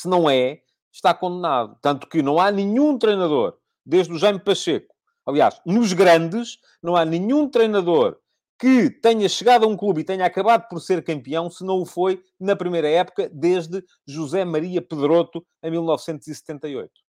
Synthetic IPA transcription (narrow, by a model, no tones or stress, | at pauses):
sɨnɐ̃w̃ɛ | ʃt̪akõnd̪na̰ðut̪ɐ̃nt̪u̥kɨnɐ̃w̃anɨ̃ɲũt̪ɾɐjnɐðo̰ɾ | d̪eʒðuʒɐjmpɐʃeku̥ | ɐlˠia̰ʃnuʒɣɾɐ̃nd̪ɨʃ | nɐ̃w̃anɨ̃ɲũt̪ɾɐjnɐðoɾ | kɨt̪ɛɲɐʃɨɣaðɐũklˠuβit̪ɛɲaakɐβaðupɔɾseɾkɐ̃mpiɐ̃w̃sɨnɐ̃w̃ufoj | nɐpɾimɐjɾɐɛpu̥kɐðeʒðɨ | ʒuzɛmɐɾiɐpɨðɾot̪u | eɐ̃j̃milˠnɔvsẽnt̪uzist̪ẽnt̪ɐio̰jt̪u̥